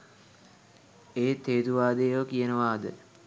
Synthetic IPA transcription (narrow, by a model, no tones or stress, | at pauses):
eːt̪eːd̪uʋaːd̪eːʋəkijənəʋaːd̪ə